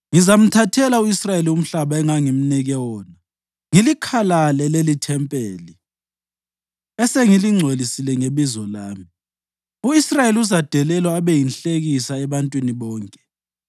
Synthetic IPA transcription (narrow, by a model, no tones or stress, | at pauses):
ŋizam̩tʰatʰɛlauisrajelium̩ɬaβaɛŋaŋim̩niɣɛwɔːna | ŋilikʰalalɛlelitʰɛmpʼeːli | ɛseŋiliŋ͡ǀʱelisilɛŋeβizɔlaːmi | uisrajeliuzad̥ʱɛlɛlwaːβɛjinɬeɣisaɛβantʼwiniβɔːŋkʼɛ̥